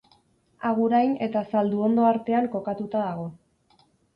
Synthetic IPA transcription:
aɣ̞uɾajne̞t̪asald̪uo̞nd̪o̞aɾt̪e̞aŋko̞kat̪ut̪aðaɣo̞

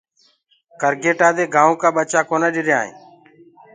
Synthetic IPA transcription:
kəɾɡeːʈaːd̪eːɡʱãːõːkaːɓət͡ʃaːkoːnaːɗɪɾja̰ːɦḭ̃ː

